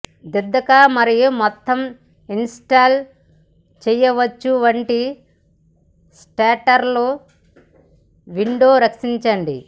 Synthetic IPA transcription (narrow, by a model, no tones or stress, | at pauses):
d̪iɾd̪ːɐkaːmɐɾijumɔt̪ːɐm | insʈaːl | t͡ʃɛjɐʋɐt͡ʃːuʋɐɳʈi | sʈaːʈɐɾloː | ʋiɳɖoːɾɐkʂiɲt͡ʃɐɳɖḭ